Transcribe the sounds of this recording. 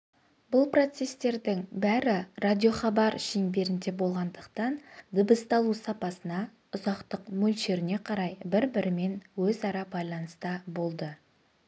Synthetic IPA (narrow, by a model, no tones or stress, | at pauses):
bʊlˠpro̞t̪se̞st̪e̞ɾd̪ɪŋbæɾɪrad̪ʲijo̞χɑbɑɾʃenbe̞ɾɪnd̪e̞bo̞lˠʁɑnd̪əqt̪ɑnd̪ɪbəst̪ɑlˠusɑpɑsənɑ | ʊzɑqt̪əqmɵlʲʃe̞ɾɪne̞qʰɑɾɑjbɪɾbɪɾɪme̞nwɵzɑɾɑbɑjlˠɑnəst̪əbo̞lˠd̪ə